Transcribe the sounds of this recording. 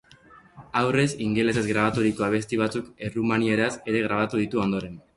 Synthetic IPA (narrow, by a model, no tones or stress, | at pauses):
awre̞siŋɡe̞le̞se̞zɡɾaβ̞at̪uɾiko̞aβ̞e̞st̪iβ̞at͡suke̞rumanieɾase̞ɾe̞ɣ̞ɾaβ̞at̪uð̞it̪uo̞nd̪o̞ɾe̞n